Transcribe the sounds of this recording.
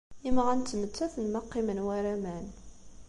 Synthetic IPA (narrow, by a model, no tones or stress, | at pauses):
imʁænt̪ːmət͡sːæθənmɑqːimənwæɾæmæn